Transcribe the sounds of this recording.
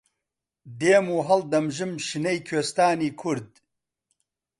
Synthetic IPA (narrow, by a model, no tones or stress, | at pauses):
d̪eːmuːɦɐld̪ɐmʒɨmʃinɐjkʰeːst̪aːniːkʰuɾd̪̚